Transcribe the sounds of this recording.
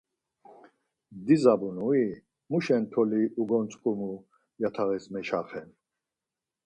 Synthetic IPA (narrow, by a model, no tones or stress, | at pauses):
d̪izabunui | muʃɛnt̪ʰɔliuɡɔnt͡sʼkʼumu | jat̪ʰaʁɛsmɛʃaχɛn